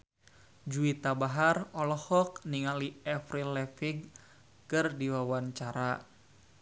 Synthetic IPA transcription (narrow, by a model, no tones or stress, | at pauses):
d͡ʒuit̪abaɦarɔlɔhɔk̚niŋaliɛfɾilɛfiɡ | kɨrdiwawaɲt͡ʃaɾa